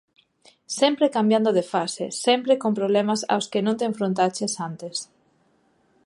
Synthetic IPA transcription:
sɛmpɾekambjand̪oðefasḛsɛmpɾekompɾoβlɛmasa̰wskenõnt̪̬eɱfɾõnt̪at͡ʃesant̪es

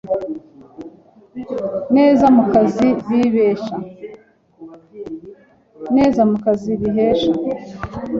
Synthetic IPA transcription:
ne̞ːzamukaziβiβeːʃa | ne̞ːzamukaziβiɦeːʃa

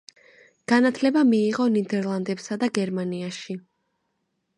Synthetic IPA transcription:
ɡ̥anat̪ʰlɛbamiːʁɔnid̪ɛɾlˠand̪ɛpsad̪aɡɛɾmaniaʃi

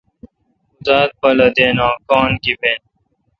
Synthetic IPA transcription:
zaːt̪̚pɐlɐd̪eːnãːkãːnɡibẽːn

